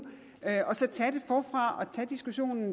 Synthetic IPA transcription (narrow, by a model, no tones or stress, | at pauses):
øʔɒ̽sɒ̽t͡sʰɛd̥e̝fɒːfʁɑ̈ɒ̽t͡sʰɛd̥isɡ̥uɕo̝̰ːnn̩